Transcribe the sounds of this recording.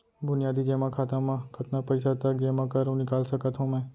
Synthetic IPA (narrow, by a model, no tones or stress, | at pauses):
bʊnɪjaːd̪iːd͡ʒeːmãkʰaːt̪ãmãkət̪napəɪsat̪əd͡ʒemãkəɾũnɪkaːlsəkət̪ɦõmɛ̃ː